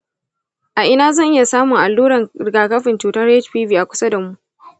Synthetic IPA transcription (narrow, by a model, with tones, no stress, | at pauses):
ʔa˨ʔɪ˦naː˦zɐ˦˨ŋʔɪ˦ja˨saː˦mʊ˨ŋʔa˨lːuː˦ɾɐ˨ŋ˨ɡaː˨kɐ˦ɸɪ˨nt͡ʃuː˨tɐ˦rɛ˦t͡ʃɸiː˦biː˦˨ʔa˨kʷʊ˦sa˦da˨mu˦ʔ